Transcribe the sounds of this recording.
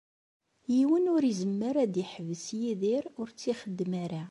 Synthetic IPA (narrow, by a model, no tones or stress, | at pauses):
jiwənʊɾizəmːəɾæd̪iħəvəsjiðiɾʊɾt͡sːiχəd̪ːmæɾa